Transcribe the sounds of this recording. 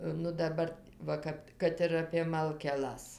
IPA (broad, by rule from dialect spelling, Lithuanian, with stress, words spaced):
nʊ dɐˈbɐr ˈʋɐ kɐp kɐt ˈɪr ɐpʲeː mɐlʲkʲɛˈlˠɐs